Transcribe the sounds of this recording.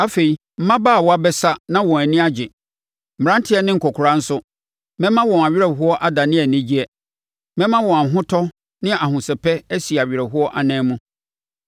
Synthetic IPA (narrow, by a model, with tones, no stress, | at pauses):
a˦fe˨i˨ | m̩˦mã˦baː˦˨wɔ˨˦a˦bɛ˦sa˦nã˦wɔ̃˨æ˨nɪ̃˦a˦d͡ʑɪ˨ | m̩˨m̩˨ɾã˦n˦tʰɪ˦ɛ˦nɪ̃˦ŋ̩˨kʰɔ˨kʰʊ˨ɾã˦n̩˦sʊ˦ | mɛ̃˦mã˦wɔ̃˨ma˨ɥɪ˦ɾɛ˨ɦʊ˦ɔ˦ʔa˦da˨nɪ̃˦ɛ˨nĩ˦d͡ʑi˦ɛ˨ | mɛ̃˦mã˦wɔ̃˨a˨ɦʊ̃˦tʰɔ˦ | nɪ̃˦a˨ɦʊ̃˨sɛ˨pʰɛ˦æ˦si˨a˨ɥɪ˨ɾɛ˨ɦʊ˦ɔ˦ʔa˨nɛ̃ː˦mũ˦